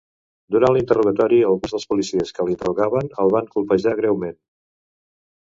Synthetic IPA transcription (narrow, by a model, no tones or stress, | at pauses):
d̪uɾanlint̪əruɣ̞ət̪ɔɾiəlˠɣunzðəlˠspulisiəskəlint̪əruɣaβənəlˠβaŋkulˠpəʒaɣ̞ɾɛwmen